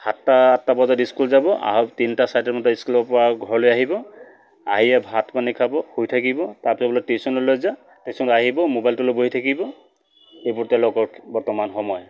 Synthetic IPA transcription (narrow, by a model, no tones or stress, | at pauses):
hatːaatːabɔzadiskulzabɔʔa̰ɦɔptintasajtɔmɔtɔiskulbɔpɔɹaɡʱɔɹlojaɦibɔ | aɦiɛbʱatkanikʰabɔhojtʰakibɔtaɹpisɔblɔtesɔnɔlojza | tesɔntaɦibɔmobajltuloboɦitʰakibɔ | ejpɔɹtɛlokɔbɔɹtɔmanxɔmɔj